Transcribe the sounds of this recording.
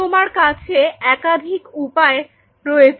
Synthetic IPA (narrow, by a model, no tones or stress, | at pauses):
omaɾkat͡ɕʰeɛkad̪ʱikupae | ɾɔet͡ɕʰ